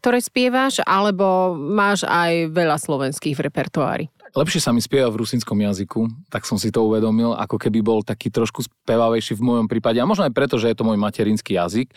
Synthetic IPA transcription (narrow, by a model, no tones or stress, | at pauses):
kk̚t̪ɔɾɛːspɪɛʋaʒalɛbɔmaːʒa̰jʋɛʎaslɔʋɛnskiːɣvɾɛpɛɾt̪ua̰ːɾḭlɛpʃɪɛsamispɪɛʋavɾusinskɔmjazikut̪aksɔmsit̪ɔuʋɛd̪ɔmila̰kɔkɛbibɔlt̪akiːt̪ɾɔʃkuspɛʋaʋɛjʃiːvmɔjɔmpɾiːpaɟɛamɔʒnɔajpɾɛt̪ɔʒɛjɛt̪ɔmɔjmacɛɾinskijazik